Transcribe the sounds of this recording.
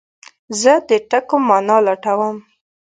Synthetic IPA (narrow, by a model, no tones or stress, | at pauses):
zəd̪əʈakomɑnɑlaʈawəm